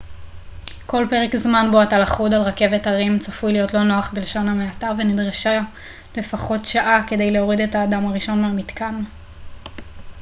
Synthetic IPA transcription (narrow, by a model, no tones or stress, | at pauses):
ko̞lpe̞ʁekzmanboatalaχudalʁake̞vetaʁimt͡safujlijo̞tlo̞no̞aχbelʃo̞nhameatavenidʁaʃa | le̞faχo̞tʃaʔake̞de̞jle̞o̞ʁidetaːdamaʁiʃo̞nmeamitkan